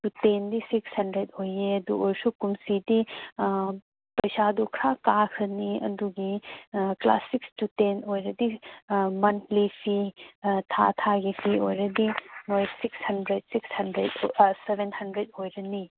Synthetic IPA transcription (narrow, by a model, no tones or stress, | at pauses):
tutendisikshɐndɾedojeɐdṵʔoɾsukumsidi | pɐjsadukʰɾakakʰɐniɐ̰duɡikla̰sikstutenojɾɐdimɐntʰlipʰitʰatʰaɡipʰiojɾɐdinojsikshɐndɾed̚sikshɐndɾedsebʱenhɐndɾed̚ojɾɐni